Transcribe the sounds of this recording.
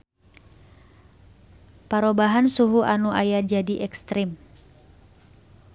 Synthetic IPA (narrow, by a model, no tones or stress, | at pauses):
paɾobaɦansuɦuʔanuʔajad͡ʒadiʔɛkst̪ɾɪm